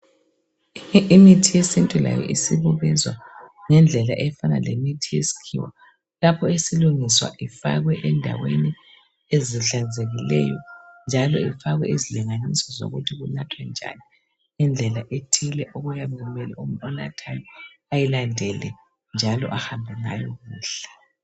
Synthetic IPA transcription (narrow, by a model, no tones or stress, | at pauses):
imitʰijesintʼula̰jɛ̰ʔisiβuɣɛzwa̰ | ŋɛnd͡ɮʱɛlaʔɛjfanalemitʰijesi̥kʰḭwa | lapʰɔesiluŋiswa̰ʔifa̰ɣwɛʔɛndʱa̰weni | eziɬanzʱeɣilɛ̰jɔ̰nd͡ʒʱalɔifaɣwɛʔiziliŋanisɔzo̰ɣutʰiɣunatʰwɛnd͡ʒʱa̰ni | ind͡ɮʱɛlaʔetʰilɛʔɔɣujaβɛɣumɛlɛumɔna̰tʰajɔajilandʱɛlɛ | nd͡ʒʱalɔ̰ʔahambʱɛŋa̰jɔɣuːɬḁ